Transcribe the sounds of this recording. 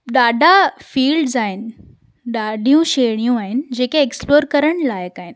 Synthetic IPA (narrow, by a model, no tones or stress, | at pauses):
ɗaɖʱafiːlɖzaɦinɪ̆ | ɗaɖʱijũɕeɽ̃ijũaɦind͡ʑeːkeːksploːɾkəɾəɳ̃lajəkaɦin